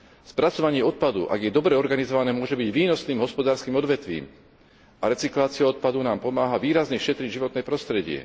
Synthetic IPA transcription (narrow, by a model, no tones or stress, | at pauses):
spɾat͡sɔʋaɲɪɛɔt̪̚pad̪ṵʔa̰ɡjɛd̪ɔbɾɛɔɾɡanizɔʋanɛːmʊɔʒɛbiɟʋiːnɔsniːmɦɔspɔd̪aːɾskiːmɔd̪ʋɛt̪ʋḭːm | aɾɛt͡siklaːt͡siaɔt̪̚pad̪unaːmpɔmaːɦaʋiːɾazɲɛʃɛt̪ɾiɟʒiʋɔt̪nɛpɾɔst̪ɾɛɟɪɛ̰